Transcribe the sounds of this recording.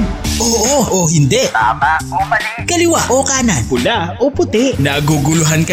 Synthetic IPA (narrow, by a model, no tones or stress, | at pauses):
ʔoːʔoʔohɪnd̪ɛʔt̪aːmaomɐlɪkɐlɪwaʔoːkaːnɐpʊlaopʊt̪ɛʔnɐɡuɡʊlʊɦankɐ